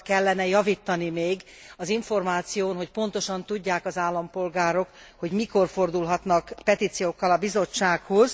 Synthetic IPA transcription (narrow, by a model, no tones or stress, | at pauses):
kɛlːɛnɛjɒvit̪ːɒnimeːɡ | ɒziɱfo̞rmaːt̪sijoːnɦo̞cpo̞nt̪o̞ʃɒnt̪uɟːaːkɒzaːlːɒmpo̞lɡaːɾo̞k | ho̞ɟmiko̞rfo̞rd̪ulɦɒt̪nɒkpɛt̪iːt̪sijoːkːɒlɒbizo̞t͡ʃːaːkhoz